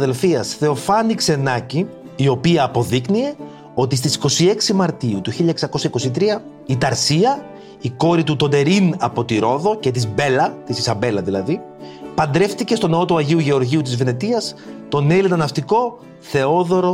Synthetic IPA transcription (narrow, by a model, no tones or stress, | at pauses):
ðe̞lfiɐsθe̞o̞fɐnikse̞nɐciː | o̞piɐːpo̞ðiknie̞ | o̞t̪ist̪isi̥ko̞sie̞ksimɐɾt̪iut̪uçiʎɐeksɐko̞sɐiko̞sit̪̬ɾiɐ | it̪ɐɾsiɐ | iko̞ɾit̪ut̪o̞d̪e̞ɾinɐpo̞t̪iɾo̞ðo̞ce̞t̪̬izbe̞lɐt̪isisɐmbe̞lɐðilɐðipɐnd̪ɾe̞ft̪ice̞st̪o̞neo̞t̪uɐʝiuʝe̞o̞ɾʝiut̪̬izve̞net̪iɐst̪o̞nelinɐnɐft̪iko̞ | θe̞o̞ðo̞ɾo̞